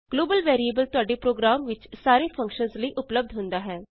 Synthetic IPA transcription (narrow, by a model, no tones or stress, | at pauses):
ɡ̥loːbəlʋɛːɾieːbəlt̪ʊaːɖeːpɾoːɡɾaːmʋɪt͡ʃsaːɾeːpʰə̃ŋkʃənzləiːʔʊpləb̚d̪ɦʊ̃nd̪aːɦɛː